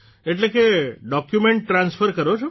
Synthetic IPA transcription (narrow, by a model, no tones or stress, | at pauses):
eʈlekeɖɔkjumeɳʈːɾãnsfʰəɾkəɾot͡ʃʰo